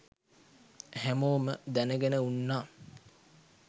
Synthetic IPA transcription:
hæmoːməd̪ænəɡænəunːaː

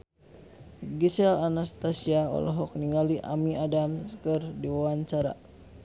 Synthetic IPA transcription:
ɡisɛlanast̪asiaɔ̰lɔɦɔk̚niŋaliʔa̰miadamskɨrdiwawaɲt͡ʃaɾa̰

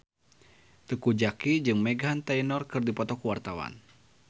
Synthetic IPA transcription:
t̪əkud͡ʒakid͡ʒɨŋmɛɡɦant̪ainɔrkɨrdipɔt̪ɔkuwart̪awa̰n

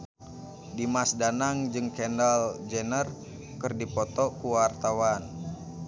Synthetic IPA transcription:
dimasdanaŋd͡ʒɨŋkɛndald͡ʒɛnər | kɨrdipɔt̪ɔkuwart̪awan

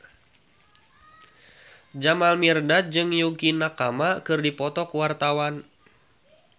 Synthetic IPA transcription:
d͡ʒamalmirdat̪̚d͡ʒɨŋjukinakamakɨrdipɔt̪ɔkuwart̪awan

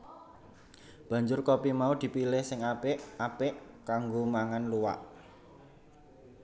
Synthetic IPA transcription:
b̥ä̤ɲd͡ʒʊrkopimaud̪̥i̤pilɪhsɪŋaɪʔapɪʔkaŋɡomaŋanluwa̰ʔ

